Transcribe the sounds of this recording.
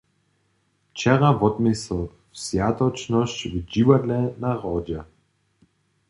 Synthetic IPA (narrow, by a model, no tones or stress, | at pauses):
ft͡ʃɛʁavɔt̪mɪsl | fsjat̪ɔt͡ʃnɔɕt͡ɕvd͡ʑivadlɛnaʁɔd͡ʑɛ